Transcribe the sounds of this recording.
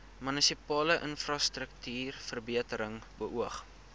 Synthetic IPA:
mynisipɑːləʔənfrɑstrəktyːrfərbiətəɾəŋbəʔuəχ

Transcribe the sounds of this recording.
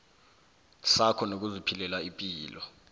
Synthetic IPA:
sakʰɔnok̬uzipʰilɛlaipʼiːlɔ

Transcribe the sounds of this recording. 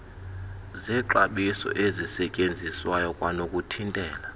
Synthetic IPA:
zɛǁaɓisɔ̰ʔezisɛcʼend͡zʱiswajɔkʼwanokʼutʰintʼɛːla

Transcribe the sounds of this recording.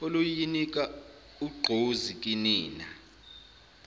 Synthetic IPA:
olujinikʼa | uɡ͡ǃʱozikʼiniːna

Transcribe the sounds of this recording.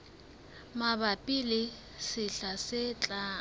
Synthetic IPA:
mabapʼilɪ | sɪɬasɪt͡ɬʼaː

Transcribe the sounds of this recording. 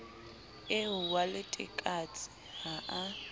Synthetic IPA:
ɪɦʊwalɪtʼɪ̰kʼat͡sʼɪ̥ | haʔa

